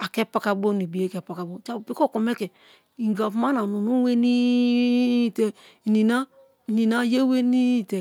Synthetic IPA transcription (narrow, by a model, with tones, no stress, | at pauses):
a˨kɛ˦pa˨ka˨bo˦ni˨bi˨e˦ke˨pa˨ka˨bo˦˨t͡ʃa˦bpi˦ko˦˨ko˨me˦ke˨ | i˨ŋɡa˨fma˦na˨nu˨nu˦we˦ni˦˨ | te˨ | i˨ni˨na˦˨ | ni˨na˦je˦we˦ni˦˨te˨